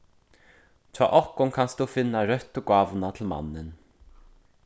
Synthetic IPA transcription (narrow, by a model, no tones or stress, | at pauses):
t͡ʃʰa̰ːʔɔhkʊnkʰanst̪ufɪnːaɾœht̪ʊɡaːvʊnat̪ʰɪlma̰nːɪn